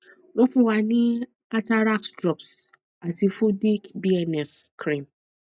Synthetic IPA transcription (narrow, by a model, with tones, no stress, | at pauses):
wɔ̃˦fʊ̃˨wa˨nɪ̃˦ | a˦ta˦ɾa˦ksdɾɔ˨ps | a˨ti˨fʊ˦di˦kbi˦ɛ˨nɛ˦˨f | kʰɾĩ˨m